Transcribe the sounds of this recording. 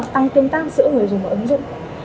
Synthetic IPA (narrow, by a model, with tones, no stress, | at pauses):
t̪a˧ŋt̪i˧nt̪aː˦˥k̚zɨ̰˧˥ŋɨ˨˩əjzʊ˨˩mː˨˩ʔə˨˦ŋzʊ̰˧˨ŋ͡m